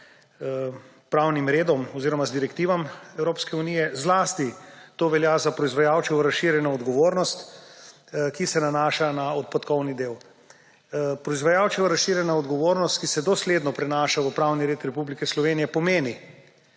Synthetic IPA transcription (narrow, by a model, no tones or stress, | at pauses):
pɾawnimɾeːd̪ɔmɔziːɾɔmazd̪iɾɛkt̪iːʋamɛwɾoːpskɛunijɛzlaːst̪it̪oːʋɛljaːzapɾɔizʋajawt͡ʃɛʋəɾasʃiɾjɛnaɔd̪ɡɔʋoːɾnɔst̪ | kisɛnanaːʃanaɔt̪̚pat̪kɔwnid̪eːw | pɾɔizʋajawt͡ʃɛʋəɾasʃiɾjɛnaɔd̪ɡɔʋoːɾnɔst̪kisɛd̪ɔsleːd̪nɔpɾɛnaːʃaʋəpɾawniɾeːt̪ɾɛpublikɛslɔʋeːnijɛpɔmeːni